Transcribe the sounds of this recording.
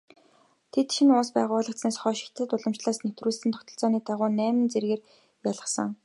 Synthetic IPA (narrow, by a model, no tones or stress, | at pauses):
t̪ʰet̪ʃinʊːspæːʁʊːɮə̆kt͡sneːsχɔːʃi̥xt̪ʰɘ̆t̪ʊɮə̆mt͡ɕɮaːsnew̥t̪ruːɮsɘ̆nt̪ʰɔ̥kt̪ʰɞ̆ɬt͡sɔːniːt̪ʰaʁʊːnæːmɘ̆nt͡serɣeːr | jaɮʁə̆χsə̆ŋ